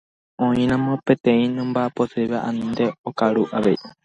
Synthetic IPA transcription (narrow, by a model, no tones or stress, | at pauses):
õĩɾ̃ãmõpet̪ẽĩnɨ̃mbaposeβaʔanĩnd̪eokaɾuʔaʋei